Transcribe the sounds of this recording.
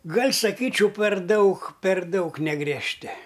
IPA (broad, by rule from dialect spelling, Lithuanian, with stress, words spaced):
ˈɡɐlʲ sɐˈkʲiːt͡ʃʲɛʊ pʲɛr ˈdɐʊk pʲɛr ˈdɐʊk nʲɛɡrʲiɛʃʲˈtʲɪ